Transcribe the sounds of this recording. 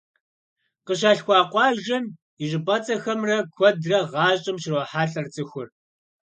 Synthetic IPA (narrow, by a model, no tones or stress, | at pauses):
qəɕ̬aːɬxʷɑːqʷɑːʒɐm | iʑɪpʼɐt͡sʼɐxɐmrɐkʷʰɔdrɐʁɑːɕʼɪmʃɪrwɔħaːɬɐrt͡sʼɨxʷʊr